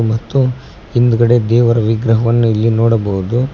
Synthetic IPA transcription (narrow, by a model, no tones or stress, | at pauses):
mɐt̪ːu | ind̪uɡɐɽe̞d̪ɛːʋɐɾɐʋiɡɾɐɦɐʋɐnːuilːinoːɽɐbɐɦud̪u